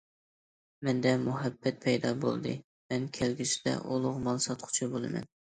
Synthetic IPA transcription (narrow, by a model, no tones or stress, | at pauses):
mɛnd̪ɛmuɦɛbːɛt̪̚pʰɛjd̪ɑbo̰lˠd̪ɨ̰ | mɛnkʲʰælɡʲisid̪ɛ̰ʔolˠʊʁmɑlˠsɑt̪qʰʊ̥t͡ʃʰibolˠɨ̰mɛ̰n